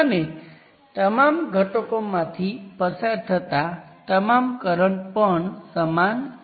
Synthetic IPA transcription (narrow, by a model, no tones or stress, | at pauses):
əne | t̪əmamɡʱəʈokomãt̪ʰipəsaɾt̪ʰət̪at̪əmamkəɾəɳpəɳsəman